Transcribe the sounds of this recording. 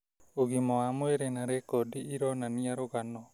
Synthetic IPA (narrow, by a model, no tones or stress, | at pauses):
oɣimɔamoeɾenaɾekɔdiiɾɔnaniaɾoɣanɔ